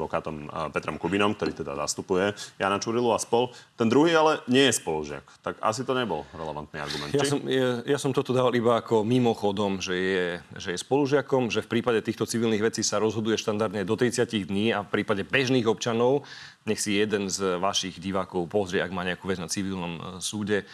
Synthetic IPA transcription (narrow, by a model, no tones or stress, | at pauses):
ɔkaːt̪ɔmpɛt̪ɾɔmkubinɔmk̚t̪ɔɾiːt̪ɛd̪a̰za̰st̪upujɛja̰nat͡ʃuɾiluaspɔlt̪ɛnd̪ɾuɦiːalɛɲɪɛjɛspɔluʒɪa̰kt̪aka̰s̬it̪ɔɲɛbɔ̰lɾɛlɛʋa̰nt̪nɛa̰ɾɡumɛntj̪asɔmjasɔmt̪ɔt̪ɔd̪aːʋalibaːkɔmimɔxɔd̪ɔmʒɛjɛʒɛjɛspɔluʒɪakɔmʒɛfpɾiːpaɟɛt̪iːxt̪ɔt͡siʋilniɣʋɛt͡siːsaɾɔzɦɔd̪ujɛʃt̪and̪aɾd̪ɲɛd̪ɔt̪ɾit͡sɪaciɣd̪ɲiːafpɾiːpaɟɛbɛʒniːɣɔpt͡ʃanɔʊ | ɲɛxsijɛd̪ɛnzʋaʃiɣɟiʋaːkɔʊpɔzɾɪɛaɡmaːɲɛakuːʋɛd͡znat͡siʋilnɔmsuːɟɛ